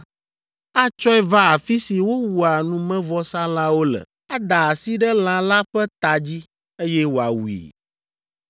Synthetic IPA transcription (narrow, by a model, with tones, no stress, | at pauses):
a˦t͡ʃɔ˦ɛ˦va˦a˨fi˦si˨wo˦wu˨a˨nũ˨mɛ̃˦vɔ˦sã˦l̃ã˦wo˦lɛ̰˨ | a˦d̪a˨a˨si˦ɖɛ˦l̃ã˨la˦ɸɛ˦t̪a˨d͡ʑi˦ | e˦jɛ˦wo˨a˨wu˨ḭ˨